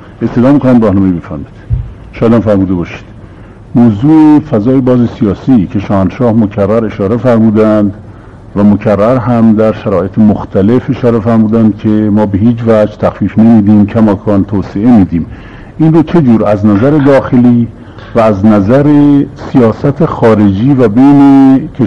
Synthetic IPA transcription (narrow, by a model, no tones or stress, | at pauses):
est̪ed̪ɒːmikʰonæmɾɒːhnɒːmejibe̞fæɾmid̪ | ʃɑːjeæd̪ænfæɾmuːd̪ebɒːʃi̥d̪̥ | moːzuːefæzɒːje̞bɒːzesijɒːsiːcʰe̞ʃɒːhænd̪ʃɒːhmocʰærːæɾe̞ʃɒːɾefæɾmuːd̪ænd̪ | væmocʰærːæɾɦæmd̪æɾʃæɾɒːʔe̞t̪ʰemoxt̪ʰælefe̞ʃɒːɾefæɾmuːd̪ænd̪̚cʰe̞mɒːbe̞ɦiːd͡ʒvæd͡ʒt̪ʰæxfiːfnemiːd̪iːmcʰæmɒːkʰɒːnt̪ʰoːseʔe̞miːd̪iːm | ʔiːnrot͡ʃʰe̞d͡ʒuːɾæznæzæɾe̞d̪ɒːxe̞liː | væːznæzæɾesijɒːsæt̪ʰexɒːɾe̞d͡ʒiːvæbejnecʰe